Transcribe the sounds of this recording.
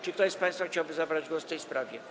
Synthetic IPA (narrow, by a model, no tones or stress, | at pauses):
t͡ʂɨkt̪ɔjspãj̃st̪faxt͡ɕawbɘzabɾad͡ʑɡwɔsft̪ɛjspɾavʲjɛ